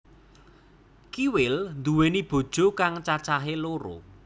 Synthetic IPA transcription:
kiwɪlnd̪uwenib̥o̤d̥ʒ̥o̤kaŋt͡ʃat͡ʃaɦeloɾo̰

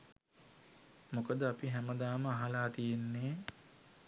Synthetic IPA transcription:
mokəd̪əapiɦæməd̪aːməaɦalaːt̪ijenːeː

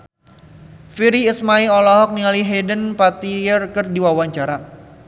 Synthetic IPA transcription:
fiɾiːsmaiɔlɔɦɔk̚nialiɦedənpat̪ijərkɨrdiwawaɲt͡ʃaɾa

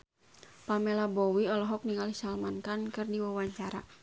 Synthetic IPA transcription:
pamɛlabɔwiɔlɔɦɔk̚niŋalisalmankankɨrdiwawaɲt͡ʃaɾa̰

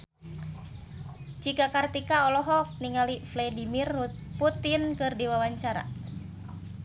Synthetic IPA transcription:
t͡ʃikakart̪ikaɔlɔɦɔk̚niŋaliflɛdimirput̪inkɨrdiwawaɲt͡ʃaɾa̰

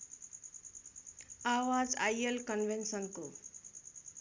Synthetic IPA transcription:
awad͡zajelkʌnʋensʌnko

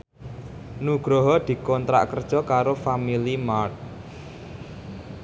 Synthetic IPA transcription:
nuɡ̥ɾɔɦɔd̪̥i̤kɔnt̪ɾa̰ʔkərd̥ʒ̥ɔ̤kaɾofamilimart̪̚

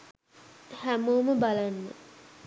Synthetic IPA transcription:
hæmoːməbalanːə̰

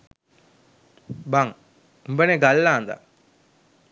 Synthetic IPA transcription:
baŋ | umbəneɡalːaːnd̪a̰

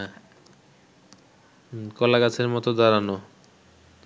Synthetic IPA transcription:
kɔlakat͡ɕʰeɾmɔt̪od̪ɔɾano

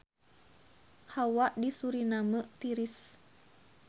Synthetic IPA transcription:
hawaʔdisuɾinaməʔt̪iɾis

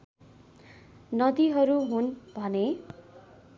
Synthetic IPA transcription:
nʌd̪iɦʌɾuɦunbʱʌne

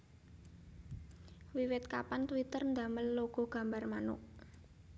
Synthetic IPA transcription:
wiwɪt̪̚kapant̪wit̪ərnd̪a̤məlːoɡ̥ɔ̤ɡ̥a̤mbarmanʊ̰ʔ

